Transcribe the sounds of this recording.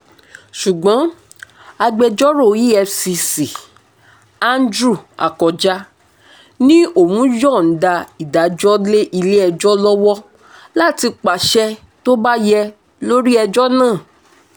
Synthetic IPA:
ʃu˨ɡ͡bɔ̃˨˦ | a˧ɡ͡bɛ˧d͡ʒɔ˦ɾo˦˨ji˦ɛ˧fsi˧si˨ | a˧n˦dɾu˦˨a̰˨kɔ˨d͡ʒa˦ | nĩ˦o˦˨wũ˨˦d͡ʒɔ̃˦˨n̩˨˦da˧i˨da˨˦d͡ʒɔ˦le˦ʔi˧le˦ɛ˧d͡ʒɔ˦lɔ˦wɔ˦ | la˦˨ti˧k͡pa˨ʃɛ˦ | to˦ba˦jɛ˧ | lo˦ɾi˦ɛ˧d͡ʒɔ˦nãː˦˨

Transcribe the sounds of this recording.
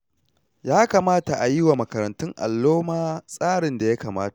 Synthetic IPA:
jaː˦kaː˨maː˦ta˨ʔa˨ji˦wa˨mɐ˨kɐ˨ɾɐ˨ntʊ˦ŋʔa̰˨lːoː˦maː˦sʼaː˦ɽɪ˨nda˨ja˦kaː˨maː˦tḁ˨ʔ

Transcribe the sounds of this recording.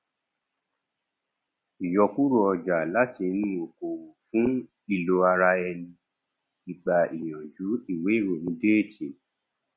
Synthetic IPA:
i˨jɔ˧ku˦ɾo˦˧ɔ˧d͡ʒa˨la˨˦ti˧nũ˦˨o˨ko˨fũ˦ | i˦˨lo˧a˧ɾa˧ɛ˧nĩ˧ | i˨ɡ͡ba˨i˨j̃ɔ̃˨d͡ʒu˨˦i˦˨we˨˦i˦˨ɾo˨nĩ˨˦de˦e˦˨t͡ʃe˨

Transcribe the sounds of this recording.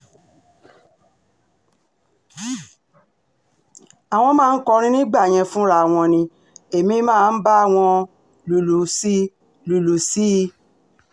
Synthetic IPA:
a˨w̃ɔ̃˧mãː˦˧˦kɔ˧ɾ̃ĩ˦nĩ˦ɡ͡ba˦˨j̃ɛ̃˧fũ˦ɾa˦˨w̃ɔ̃˧nĩ˧ | e˨mĩ˨˧˦mãː˦˧n̩˦ba˦a˦˨w̃ɔ̃˧ | lu˨lu˨si˦ | lu˨lu˨si˦˧

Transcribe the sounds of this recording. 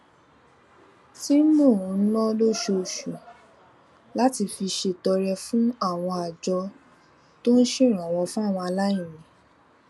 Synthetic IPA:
ti˦mũ˦˨ũ˨˧˦nɔ̃˦lo˦ʃo˧˨ʃu˨ | la˦ti˧fi˧ʃe˧˨tɔ˧ɾɛ˧fũ˦a˦˨w̃ɔ̃˧a˨d͡ʒɔ˧ | to˦n̩˦ʃĩ˦˨ɾ̃ã˨w̃ɔ̃˧fũ˦a˦˨w̃ɔ̃˧a˧la˦ĩ˦˨nĩ˨

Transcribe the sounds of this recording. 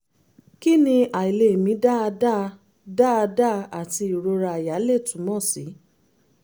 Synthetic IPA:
ki˦nĩ˧ʔa˨i˨le˨mĩ˧˦da˦˧da˦ | da˦a˧da˦a˨ti˧i˨ɾo˧ɾa˧˨ja˨˦le˦˨tũ˨˦mɔ̃˦˨si˨˦

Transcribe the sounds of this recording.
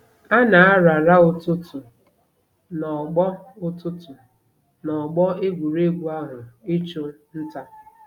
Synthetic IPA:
a˦na˨a˦ɾa˨ɾa˦ʊ˨tʊ˦tʊ˨ | nɔ˨ɡ͡bɔ˦ʊ˦tʊ˦tʊ˨ | nɔ˨ɡ͡bɔ˦e˦ɡʷu˨ɾe˦ɡʷu˦a˦ɦʊ˨ɪ˦t͡ʃʊ˦n̩˦ta˦

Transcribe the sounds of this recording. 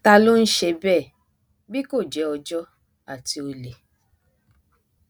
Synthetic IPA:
ta˧lo˦n̩˦ʃe˧bɛː˦˨ | bi˦ko˦˨d͡ʒɛ˨˦ɔ˧d͡ʒɔ˦ | a˦˨ti˧o˧le˨

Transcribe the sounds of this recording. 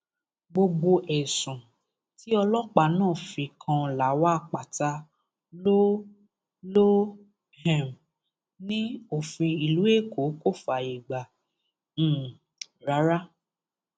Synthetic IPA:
ɡ͡bo˧ɡ͡bo˧ʔɛ˨sũ˨ | ti˦ɔ˧lɔ˦k͡pa˧˨nãː˦˨fĩ˧kʰã˧˨la˨˦wa˦˧k͡pa˨ta˧˦ | lo˦ | lo˦ | hɛ˦˨m | nĩ˦o˦˨fĩ˧i˨lu˨˦e˦˨ko˨˦ko˦˨fa˨i˨ɡ͡bã˨˦˨ | ɾa˨˦ɾa˦

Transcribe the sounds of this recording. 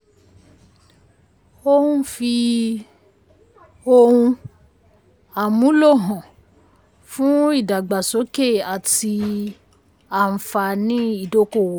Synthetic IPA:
o˦hũ˦fi˧ | o˧ɾũ˧ | a˨mũ˨˦lo˦˨ɦɔ̃˨ | fũ˦i˦˨da˨ɡ͡ba˨so˨˦ke˦˨a˨ti˧ | a˨n̩˨fa˧nĩ˦i˦˨do˦ko˦˨wo˨˦

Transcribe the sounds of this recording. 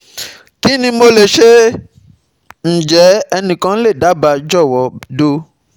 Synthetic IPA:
ki˦nĩ˧mo˧le˨ʃe˦ | n̩˨d͡ʒɛ˨˦ɛ˧nĩ˨kã˦le˦˨da˨˦ba˧d͡ʒɔ˦˨wɔ˨˦do˧

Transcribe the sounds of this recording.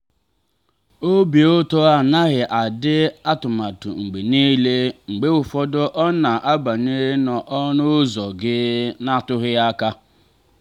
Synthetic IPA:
o˦bi˨o˦to˦a˨na˦ɣɪ˨ʔa˨dɪ˦a˦tʊ˨ma˨tʊ̰˨ŋ͡m̩˨ɡ͡be˨niː˦le˦ŋ͡m̩˨ɡ͡be˦ʊ˨fɔ˦dɔ˦ʔɔ˦na˨ʔa˦ba˨ne˦nɔ˨ʔɔ˦nʊ˦zɔ˨ɡɪ˦na˦˨tʊ˦ɣɪ˦a˦ka˦

